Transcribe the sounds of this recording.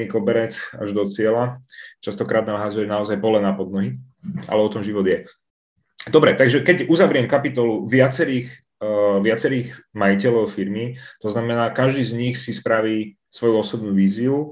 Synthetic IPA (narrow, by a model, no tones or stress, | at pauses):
ikɔbɛɾɛt͡sa̰ʒd̪ɔt͡sɪɛlat͡ʃast̪ɔkɾaːd̪̚naːmɦazujɛnaɔzajpɔlɛnapɔd̪nɔɦi | ʔa̰lɛɔt̪ɔmʒiʋɔd̪jɛ | d̪ɔbɾɛt̪aɡʒɛkɛɟuzaʋɾɪɛmkapit̪ɔluʋɪat͡sɛɾiːx | ʋɪat͡sɛɾiːɣmajicɛlɔʊfiɾmit̪ɔznamɛnaːkaʒd̪iːzɲixsispɾaʋiː | sʋɔjuɔsɔbnuːʋiːziu